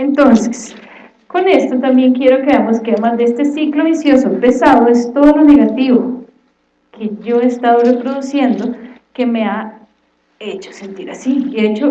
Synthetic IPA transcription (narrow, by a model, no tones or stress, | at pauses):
ent̪o̞nse̥s | ko̞ne̞st̪o̞t̪ambje̞ŋkje̞ɾo̞keamoskeaðemand̪eest̪e̞siklo̞βisjo̞sope̞saðoe̞st̪o̞ðo̞lo̞ne̞ɣat̪iβo | kʰe̞ʝo̞est̪aðo̞re̞pɾo̞ðusje̞nd̪o | ke̞me̞a | e̞t͡ʃo̥se̞nt̪iɾasieet͡ʃo